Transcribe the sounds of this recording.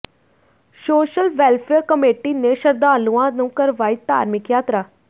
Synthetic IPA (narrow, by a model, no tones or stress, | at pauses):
soːʃəlʋɛːlpʰeːɾkəmeːʈiːneːʃəɾd̪aːluãːnũːkəɾʋaːiːt̪a̰ːɾmɪkjaːt̪ɾaː